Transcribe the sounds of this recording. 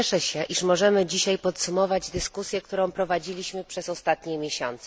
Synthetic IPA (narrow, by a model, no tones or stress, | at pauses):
ɛʂɛɕɛʔiʂmɔʐɛmɘd͡ʑiɕajpɔt̪sumɔvad͡ʑd̪ɘskusʲjɛk̚t̪uɾɔ̃w̃pɾɔvad͡ʑilʲiɕmɘpʂɛzɔst̪at̪ɲɛmʲjeɕɔ̰nt̪sɛ